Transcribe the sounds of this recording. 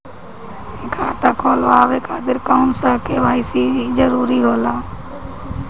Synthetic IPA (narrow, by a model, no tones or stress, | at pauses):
kʰaːt̪aːkʰoːlʋaːʋeːkʰaːt̪ɪɾkaʊnsaːkeːʋaːɪsiːd͡ʒəɾuːɾiːɦoːlaː